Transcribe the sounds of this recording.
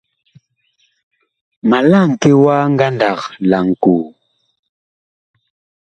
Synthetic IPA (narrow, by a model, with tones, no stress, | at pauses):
ma˨la˦˨ŋ̩˨ke˦wa˦ŋ˦ɡa˦nda˨kla˨ŋ˨ku˨